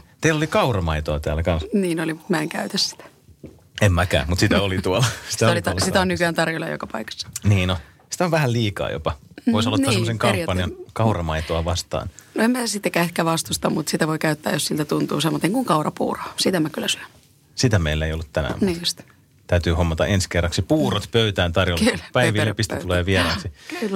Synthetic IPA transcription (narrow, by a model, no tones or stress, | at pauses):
t̪eilːolikɑurɑmɑit̪oɑt̪æːlækɑ̃nsniːnolimut̪mæeŋkæyt̪æssi̥t̪æ̥ | emːmækæ̰ːmut̪sit̪æolit̪uolɑsist̪æolisit̪æonykyænt̪ɑrjolɑ̰jo̰kɑpɑikɑ̥sːɑ̥niːnno | si̥t̪æoʋʋæhælliːkɑ̰ːjo̰pɑoisolːot̪ːɑːseemoseŋkɑmiæpːɑnijɑnkɑurɑmɑit̪oɑʋɑst̪ɑ̰ːnnoemæːsit̪ːekæehkæʋɑst̪ust̪ɑmmut̪sit̪æʋoikæyt̪ːæ̰ːjosilt̪æt̪unt̪ṵːsemːot̪ːeŋkuŋkɑurɑpṵːro̥ːsit̪æmːækylːæsy̥øn | sit̪æmeilːeijolːut̪tænæ̰mniːjust̪ | t̪æyt̪yːhomːɑt̪ɑ̰ʔenskerːɑksipuːrot̪pøyt̪æːnt̪ɑrjollːpæiʋilːepist̪it̪uleːʋielæːsikylː